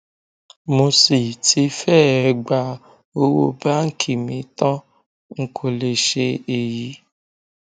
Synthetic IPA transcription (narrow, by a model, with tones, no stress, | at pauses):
mo˧si˨tʰi˨˦fɛ˦˨ɛ˧ɡ͡ba˧˨ | o˧wo̰˧ba˦ŋ̩˦kʰi˦˨mĩ˨˦tã˦ | ŋ̩˨kʰo˨le˨ʃe˧e˨ji˨˦